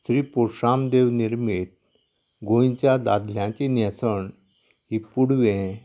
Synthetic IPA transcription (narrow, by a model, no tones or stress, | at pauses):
sɾiːpoɾʂamd̪eʋniɾmit̪̚ | ɡõjt͡ɕjad̪ad̪ljãt͡ɕinɛ̃səɳ | ɦipuɽʋẽ